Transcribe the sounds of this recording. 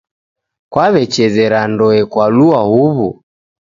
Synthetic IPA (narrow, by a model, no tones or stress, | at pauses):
kwaβɛt͡ʃɛzɛɾandɔɛkwaluahuβu